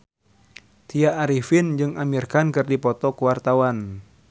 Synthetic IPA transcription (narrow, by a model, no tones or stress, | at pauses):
t̪ijaːɾifind͡ʒɨŋamirkankɨrdipɔt̪ɔkuwart̪awan